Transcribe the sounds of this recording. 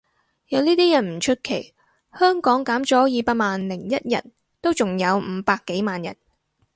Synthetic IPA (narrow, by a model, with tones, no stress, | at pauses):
jɐ˨˧wniː˥t̪iː˥jɐ˨˩nm̩˨˩t͡ʃʰɵ˥t̚kʰe˨˩j | hœː˥ŋkɔː˨˥ŋkaː˨˥mt͡ʃɔː˨˥jiː˨˧paː˧k̚maː˨nlɪ˨˩ŋjɐ˥t̚jɐ̰˨˩n | t̪o˥wt͡sʊ˨ŋjɐ˨˧wm̩ː˨˧paː˧kːe˨˥jmaː˨njɐ̰˨˩n